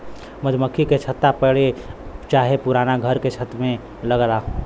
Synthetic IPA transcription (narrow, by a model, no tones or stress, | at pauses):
məd͡ʒməkʰːiket͡ʃʰət̪ːapəɽet͡ʃaːɦepuɾaːnaɡʱəɾket͡ʃʰət̪mẽ | ləɡɾaɦ